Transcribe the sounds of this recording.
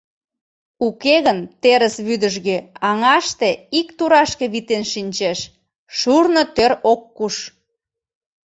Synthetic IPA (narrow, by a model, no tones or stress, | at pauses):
ukeɣənt̪eɾəsβyd̪əʒɣeɑŋɑʃt̪eikt̪uɾɑʃkeβit̪enʃinʲt͡ɕeʃ | ʃurnot̪øɾokːuʃ